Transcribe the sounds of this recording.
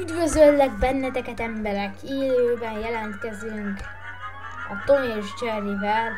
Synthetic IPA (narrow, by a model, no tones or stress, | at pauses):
yd̪vøzølːɛɡ̚bɛnːɛt̪ɛkɛt̪ɛmbɛɾɛkʰiːløːbɛnjɛlɛnt̪kɛzyŋk | ɒt̪oneʒd͡ʒɛɾivɛl